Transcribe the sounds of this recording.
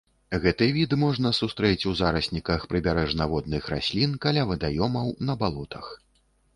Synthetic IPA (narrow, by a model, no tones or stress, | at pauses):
ɣɛt̪ɨvʲid̪mɔʐnɐsust̪ɾɛt͡sʲuzaɾɐsʲnʲikɐxpɾɨbʲaɾɛʐnavɔd̪̚nɨxɾa̰sʲlʲinkalʲavɐd̪ajɔmɐwnɐbalˠɔt̪ɐx